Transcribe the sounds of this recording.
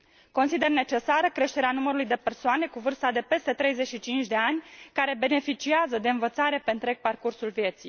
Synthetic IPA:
ko̞nsid̪e̞rne̞t͡ʃe̞saɾəkɾe̞ʃt̪eɾeanuməɾulujd̪e̞pe̞rsoane̞kuvɨrst̪ad̪e̞pe̞st̪e̞t̪ɾe̞jze̞ʃit͡ʃint͡ʃʲd̪e̞anʲkaɾe̞be̞ne̞fit͡ʃiazəd̪e̞ɨnvət̪saɾe̞peɨnt̪ɾe̞ɡ̚parkursulvje̞t̪sij

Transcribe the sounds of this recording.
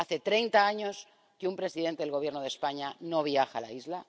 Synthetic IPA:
aθe̞t̪ɾejnt̪aaɲo̞s | keumpɾe̞siðe̞nt̪eelɣo̞βje̞ɾnoð̞e̞spaɲano̞β̞jaxa̰la̰izla

